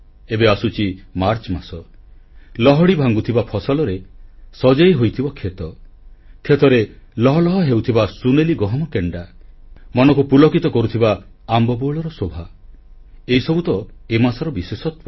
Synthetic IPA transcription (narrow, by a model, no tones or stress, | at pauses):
ebeasut͡ʃʰimaɾt͡ʃmasɔ | lɔɦɔɽibʱaŋɡut̪ʰibapʰɔsɔlɔɾesɔd͡ʒajɦojt̪ʰibɔkʰet̪ɔ | kʰːet̪ɔɾe | lɔɦɔlɔɦɔɦewt̪ʰibasuneliɡɔɦɔmɔkeɳɖamɔnɔkupulɔkit̪ɔkɔɾut̪ʰibaː | mbɔbuɭɔɾɔsobʱa | eisɔbut̪ɔemasɔɾɔbisesɔt̪wa